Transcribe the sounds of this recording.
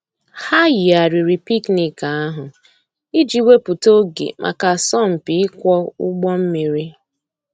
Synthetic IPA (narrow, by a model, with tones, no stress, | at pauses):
ha˦ji˨a˨ɾi˨ɾi˨pi˦kni˨ka˨a˦ɦʊ˨ | i˦d͡ʒi˨we˦pʊ˨to˦ɡḛ˨mʔa̰˨ka˨sɔ˦˨m̩˨pi˨˦ɪ˦kʷɔ˦ʊ̰˦ɡ͡bɔ˦m̩˦mi˨ɾi˦